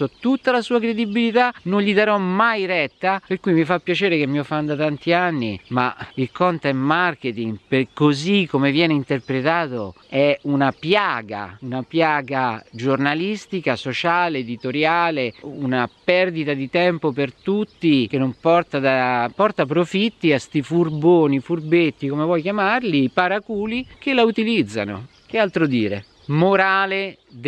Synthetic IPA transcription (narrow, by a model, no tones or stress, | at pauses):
ot̪ːut̪ːalasuːakɾed̪ibilit̪anonʎid̪aɾɔmmajɾɛt̪ːaperkujmifapːjat͡ʃeːɾekemːiɔfːand̪at̪ant̪ianːimailkɔnt̪ɛmːarket̪iŋɡpekːozikːomevjɛːneint̪erpɾet̪aːt̪oɛunapjaːɡa̰unapjaːɡad͡ʒornalist̪ikasot͡ʃaːleːd̪it̪oɾjaːleunapɛrd̪it̪ad̪it̪ɛmpopert̪ut̪ːikenːompɔrt̪ad̪apɔrt̪apɾofit̪ːiast̪ifurboːnifurbet̪ːikomevwɔjk̟jamarlipaɾakuːlikelaut̪ilid̪zːa̰no̰ | k̟ealt̪ɾod̪iːɾe | moɾaːle